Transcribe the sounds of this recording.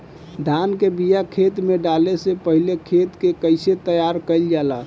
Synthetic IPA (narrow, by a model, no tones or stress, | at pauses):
d̪ʱankebijakʰet̪meɖalesepəɦilekʰet̪kekəɪset̪əjaɾkəɪld͡ʒala